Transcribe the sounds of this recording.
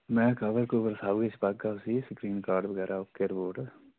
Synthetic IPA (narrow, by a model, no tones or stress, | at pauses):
mɛ̃ːkəʋəɾkobəɾsaːuːɡet͡ʃʰbaːkɡaʊsisəkɾiːnkaːɾɖʋəɡɛːɾaʊkeːɾboːɖ